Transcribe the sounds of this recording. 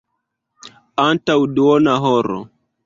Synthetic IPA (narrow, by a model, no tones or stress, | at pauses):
antawduonaɦoɾo̰